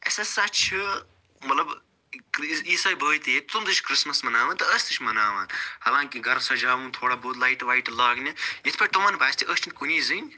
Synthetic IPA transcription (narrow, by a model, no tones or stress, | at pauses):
esɐsɐt͡ʃʰi | mɐt̪lɐb | iːsaːjbɐːt̪jet̪umzɨt͡ʃʰkɾɨsmɐsmɐnaːʋaːnt̪ɐəːsʲt̪ɨt͡ʃʰmɐnaːʋaːnhɐlãːŋkiɡɐɾsɐd͡ʒaːʋũːnt̪ʰoːɽaːboːt̪laːiʈʋaːiʈlaːɡnʲijɐt̪ʰpɐt̪ɐʋaːnbʱaːsʲt̪ʰiʔəst͡ʃʰinʲkuniːzɨnʲ